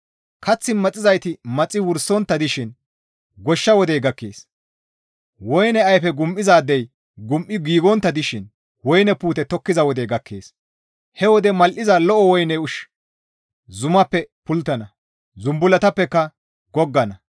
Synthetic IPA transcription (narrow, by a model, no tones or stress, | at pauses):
kʰɐt͡sːɪmɐt͡sʼːɪzɐjt̪ɪmɐt͡sʼːɪwʊɾsːɔnt̪ːɐd̪ɪʃɪn | ɡɔʃːɐwɔd̪ɛjɡɐkːḛːs | wɔjnɛɐjfɛɡʊmʔɪzaːd̪ːɛj | ɡʊmʔɪɡiːɡɔnt̪ːɐd̪ɪʃɪn | wɔjnɛpuːt̪ɛt̪ɔkːɪzɐwɔd̪ɛjɡɐkʰːeːs | hɛwɔd̪ɛmɐlʔɪzɐlɔʔɔwɔjnɛʊʃ | zʊmɐpːɛpʊlt̪ːɐnɐ | zʊmbʊlɐt̪ɐpːɛkːɐ | ɡɔɡːɐnɐ